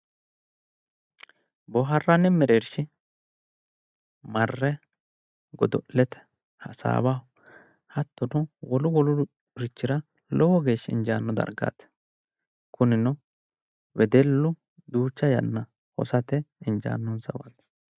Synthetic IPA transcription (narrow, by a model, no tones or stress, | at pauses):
bɔɦɐrːɐnɛmɛɾeːɾʃɪ | mɐrːɛ | ɡɔd̪ɔʔlɛt̪ɛ̥ | hɐsa̰ːba | hɐt̪ːɔnʊwɔlʊwɔlʊ | ɾɪt͡ʃːɪɾɐ | lɔwɔɡeːʃɪ̰nd͡ʒaːnːɔd̪ɐ̰ɾɡa̰ːt̪ | kʰʊnɪnɔ | wɛd̪ɛlːʊ | d̪uːt͡ʃːɐjɐ̰nːɐ | hɔ̰sɐt̪ɛɪnd͡ʒa̰ːnːɔnsɐ̰wa̰t̪